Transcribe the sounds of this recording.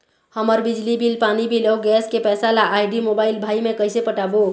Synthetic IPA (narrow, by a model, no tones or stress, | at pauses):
həməɾbid͡ʒlibilpanibʱilewɡɛskepɛːsalaʔajɖimobailbʱaimekəjsepəʈabo